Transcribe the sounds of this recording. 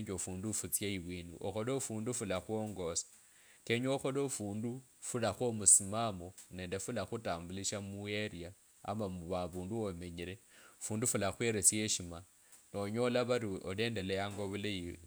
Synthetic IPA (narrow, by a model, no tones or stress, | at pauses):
ɲd͡ʒofuːndufut͡sjaiwiːndṵʔo̰xolofuːndufulaxwoŋɡo̞sḁ | ke̞ɲoːxolofuːndufulaxwomusimamone̞ːnde̞fulaxutaːmbuliʃamue̞ɾia | a̰mamuβaβuːnduome̞ɲiɾe̞fuːndufulaxweɾet͡sje̞ʃima | noɲo̞laβaɾiole̞ndelejaːŋɡoβulei